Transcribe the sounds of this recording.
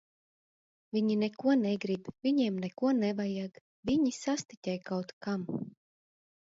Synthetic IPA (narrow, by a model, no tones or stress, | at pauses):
vʲiɲinɛkuɔnɛɡɾibvʲiɲiɛmnɛkuɔnɛvajaɡ | vʲiɲisast̪it̪ʲɛjkawt̪kam